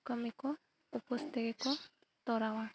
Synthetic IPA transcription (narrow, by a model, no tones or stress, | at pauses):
kəmiko | upɔst̪ekeko | t̪ɔɾawa